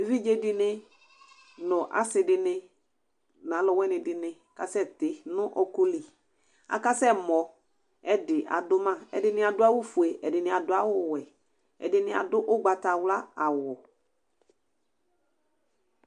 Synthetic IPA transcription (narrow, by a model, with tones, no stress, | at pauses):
vi˦d͡ʒe˦dɪ˦nɪ˦ | nʊ̃˨ʔa̰˨˦sɪ˨dɪ˨nɪ˦ | nã˨˦lɔ˨wɛ˦nɪ˨dɪ˨nɪ˨ | ka˨sɛ˦˨tɪ˨nʊ̃˦ʔɔ˦ko˦li˨ | a̰˨ka˦sɛ˦˨mɔ˨ | ɛ˦dɪ˨ʔa̰˨dʊ˦mã˦˨ɛ̰˨dɪ˦nɪ̃˦a˨dʊ˦a˦wʊ˦fu˨e˨ʔɛ˨dɪ˨nɪ̃˨a˨dʊ˦a˦wʊ˦wɛ˨ | ɛ̰˨dɪ˨nɪ̃˦a̰˨dʊ˦ʔʊ˦ɡ͡ba˨ta˨wla˦a˨wɔ˨